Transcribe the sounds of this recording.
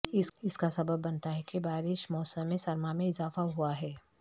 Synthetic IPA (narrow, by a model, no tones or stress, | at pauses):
ɪɪskasɐbəbːɐnt̪aɦɛkibaːɾɪʃmɔːsəmːẽsɐɾmamẽɪzaːfaɦuaɦɛː